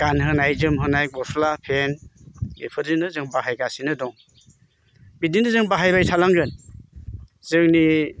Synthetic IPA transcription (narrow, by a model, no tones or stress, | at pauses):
ɡ̥anɦɯnajzɯmɦɯnajmɔslapʰenḭpʰɯɾzinɯzɯŋbaɦajɡasinɯdɔŋ | bidinɯzɯŋbaɦajbajsʰalaŋɡɯn | zɯŋni